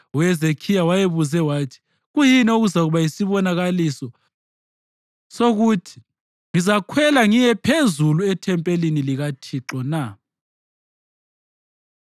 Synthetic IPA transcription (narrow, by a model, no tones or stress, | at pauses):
wɛzekʰijawajeβuzɛwaːtʰi̥ | ɣujinɛuɣuzaɣuβajisiβɔnaɣalisɔ | soɣutʰi̥ | ŋizakʰwɛlaŋiɲɛpʰezuluɛtʰɛmpʼeliniliɣatʰiǁɔna